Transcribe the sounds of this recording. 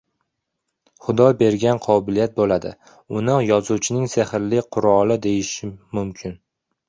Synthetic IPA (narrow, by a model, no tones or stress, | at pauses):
χʊd̪ɒbe̞ɾɡʲanqʰɒbɪlijat̪̚bolad̪ɪ̰ | ʊnɪjɒzut͡ʃʰɪnɪŋsehɪɾlɪqʰʊɾɒlˠɪd̪e̞jɪʃɪmʊmkʲʰɪn